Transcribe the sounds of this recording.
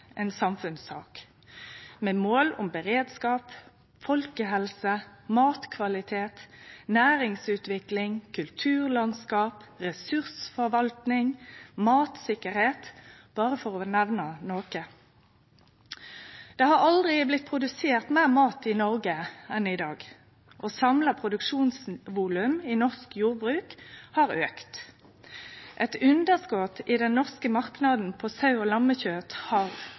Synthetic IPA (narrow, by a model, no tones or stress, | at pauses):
ɛnsɑmfʉnsɑ̰ːk | mɛːmoːlʊmbəʁeːd̪skɑːp | fɔlkəɦɛlsəmɑːt̪kʰʋɑlɪt̪ʰeːt̪næːʁɪŋsʉːt̪ʋɪklɪŋkʰʉlt̪ʰʉːʁlɑnskɑːpʁɛsʉʁsfɔʁʋɑlt̪nɪŋmɑːt̪sɪkəʁheːt̪b̥ɑːʁəfɔʁɔnæʋnənoːkə | d̪̥eːhɑʁɑld̪ʁɪblɪt̪̚pʰʁʊd̪ʉseːʁt̪meːʁmɑːt̪ɪnɔʁɡəɛnɪd̪ɑːɡ | ʔoːsɑmlɑpʰʁʊd̪ʉkʂuːnsʋuːlʉmiːnɔʁskjuːʁbʁʉːkhɑʁøːkt̪ | ʔɛt̪ʉnd̪əʁskɔt̪iːd̪ɛnnɔʁskəmɑʁknɑd̪n̩pʰoːsɑʉoːlɑmːəçøːt̪hɑʁ